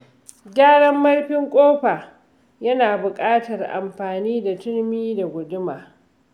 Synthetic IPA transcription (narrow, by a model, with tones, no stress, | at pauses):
ɡʲaː˦ɽɐ˦mːɐ˦rɸɪ˦ŋkʷʼoː˦ɸaː˨ | jɐ˦naː˨bʊ˨kʼaː˦tɐ˨rʔa̰˨mɸaː˨niː˦da˨tɪ˦ɽmiː˦da˨ɡʷʊ˨dʊ˦maː˨